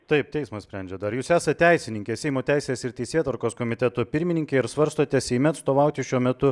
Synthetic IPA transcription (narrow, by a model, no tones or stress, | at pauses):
t̪ɐɪp̚t̪ʲɛɪsmɐsʲpʲɾʲɛnʲd͡ʒʲɛd̪ɐɾjuːsæːsɐt̪ʲt̪ʲɛɪsʲɪnʲɪŋʲkʲɛsʲɛɪmoːt̪ʲæˑɪsʲeːsɪɾt̪ʲɛɪsʲeːt̪ʋɐɾkoːskoːmʲɪt̪ʲɛt̪ʊpʲɪɾʲmʲɪnʲɪŋʲkʲɛɪɾsʋɐɾst̪oːt̪ʲɛsʲɛɪmʲɛɐt̪st̪oːʋɐʊt̪ʲɪʃʲuɔmʲɛt̪ʊ